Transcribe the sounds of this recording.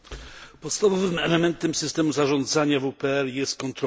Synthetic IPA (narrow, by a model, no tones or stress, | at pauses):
pɔt̪st̪avɔvɘmɛlɛmɛnt̪ɛmsɘst̪ɛmuzaʐɔnd̪zaɲavupɛɛljɛst̪̚kɔnt̪ɾ